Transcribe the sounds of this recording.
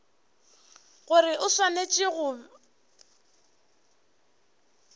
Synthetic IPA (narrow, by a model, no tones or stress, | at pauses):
ɣʊɾɪʔʊswanet͡ʃʼɪɣʊ